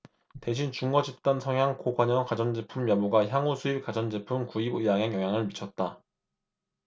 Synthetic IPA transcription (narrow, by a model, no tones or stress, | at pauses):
te̞ɕ̬ʰint͡ɕuŋɡʌd͡ʑip̚t͈ansʰʌŋɦjaŋkoɡwaɲʌnkad͡ʑʌnd͡ʑepʰumːjʌmuɡaçjaŋusʰuip̚kad͡ʑʌnd͡ʑepʰumkuibɯjaŋɦeŋjʌŋɦjaŋɯɭmit͡ɕʰʌt̚t͈a